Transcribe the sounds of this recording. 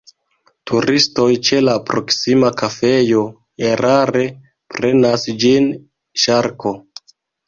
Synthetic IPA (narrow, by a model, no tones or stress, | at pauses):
tʰuɾisto̞jt͡ʃe̞lapɾo̞ksimakafe̞jo̞ | eɾaɾe̞ | pɾe̞nasd͡ʒin | ʃaɾko̞